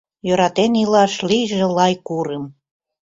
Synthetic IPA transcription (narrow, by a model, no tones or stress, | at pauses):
joɾɑt̪enilɑʃliʒĕlɑjkuɾəm